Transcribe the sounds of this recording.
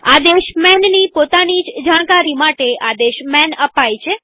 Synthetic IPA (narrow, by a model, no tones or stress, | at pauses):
ad̪eʃmɛnnipot̪anid͡ʒd͡ʒaɽ̃kaɾimaʈeʔad̪eʃmɛnəpajt͡ʃʰe